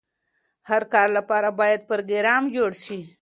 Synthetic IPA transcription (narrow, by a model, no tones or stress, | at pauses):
haɾkɑːɾlapɑɾabɑːjad̪̚pəɾɡeɾɑːmd͡ʒoɽʃi